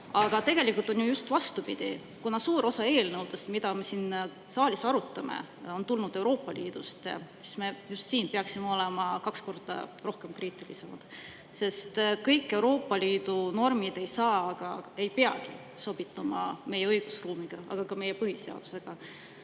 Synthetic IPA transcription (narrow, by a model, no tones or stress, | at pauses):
ɑɡ̥ɑt̪e̞ɡ̥e̞likult̪ːˑo̞njujust̪vɑst̪upid̪̥ḭ | kunɑsuːɾo̞sɑe̞ːlnɤwd̪̥est̪mid̪ɑme̞siːn | sɑːlʲisɑɾut̪ːˑɑmḛ | o̞nt̪ulnud̪̥e̞wɾo̞ːpˑːɑlʔiːd̪̥ust̪ɑ̰si̥sme̞just̪siːnpeɑksimeo̞lemɑkɑksko̞rd̪̥ɑ̰ro̞hke̞mkriːt̪ːˑilise̞mɑ̰d̪̥ | se̞st̪kɤjkˑːe̞wɾo̞ːpːˑɑliːd̪̥uno̞rmid̪̥e̞jsɑːɑɡ̥ɑe̞jpeɑɡ̥i | so̞b̥it̪ːˑumɑ̰me̞jeɤjɡ̥usruːmiɡ̥ɑɑ̰ɡ̥ɑkɑme̞jepɤɦise̞ɑ̰d̪̥u̥se̞ɡ̥ɑ